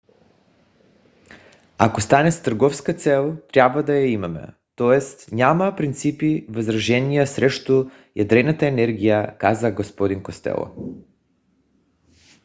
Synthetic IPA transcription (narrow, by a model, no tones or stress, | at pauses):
akost̪anɛst̪əɾɡɔfskat̪sɛlˠt̪ɾʲjabvad̪ajaimamɛ̰ | t̪ɔɛst̪ɲʲamɐpɾint̪sipivəzɾaʒɛnijasɾɛʃt̪o | jad̪ɾɛnat̪aɛnɛɾɡʲijakazaɡospɔd̪inkost̪ɛ̰lˠo̰